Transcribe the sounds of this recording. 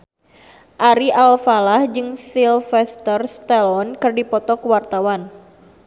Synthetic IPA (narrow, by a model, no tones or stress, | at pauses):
ʔaɾiʔalfalahd͡ʒɨŋsilfɛst̪ərst̪ɛlɔnkɨrdipɔt̪ɔkuwart̪awan